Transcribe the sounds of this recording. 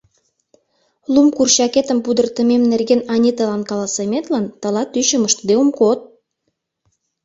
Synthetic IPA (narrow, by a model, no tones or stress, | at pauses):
lumkurɕɑket̪əmpud̪ərt̪ə̆memnerɣenɑnʲit̪əlɑnkɑlɑsemet̪lɑnt̪ə̆lɑt̪yɕə̆məʃt̪d̪eumkot̪̚